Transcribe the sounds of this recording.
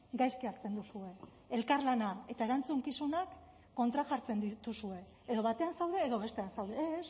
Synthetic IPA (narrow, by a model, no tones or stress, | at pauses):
ɡajskiaɾt͡se̞nd̪usue̞ | elkaɾlanae̞t̪ae̞ɾant͡suŋkisunakː | o̞nt̪ɾaʝaɾt͡se̞nd̪it̪usue̞ːðo̞βat̪e̞ansawðe̞ːðo̞βe̞st̪e̞ansawðes